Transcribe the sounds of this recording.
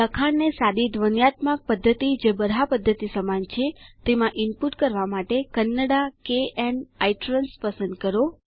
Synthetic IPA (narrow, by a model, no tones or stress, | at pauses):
əkʰaɽnesad̪id̪ʋənjat̪mak̚pəd̪ʱːət̪id͡ʒebəd̪ʱapəd̪ʱːət̪isəmant͡ʃʰet̪emãʔɪmpuʈkəɾʋamaʈekənːəɽakeeɳajʈɾənspəsənd̪̚kəɾo